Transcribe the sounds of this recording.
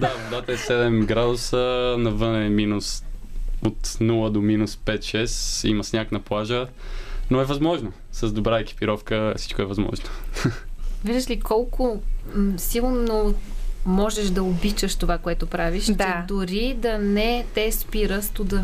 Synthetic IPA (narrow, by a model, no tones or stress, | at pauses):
d̪avod̪at̪əɛsɛd̪ɛmɡɾad̪ʊsənɐvɤnɛminus | ot̪nulˠəd̪ominuspɛt̪ʃɛsḭməsnʲaknɐplˠaʒə | noɛvɐzmɔʒno | sɐzd̪obɾaɛki̥piɾɔfkəfsit͡ʃkoɛvɐzmɔ̰ʒno | viʒd̪əʃlikɔlˠkʊ | silˠnomɔʒɛʃd̪ɐobit͡ʃəʃt̪ovakoɛt̪ʊpɾaviʃt̪ɛd̪ʊɾid̪ɐnɛt̪ɛspiɾəst̪ud̪ə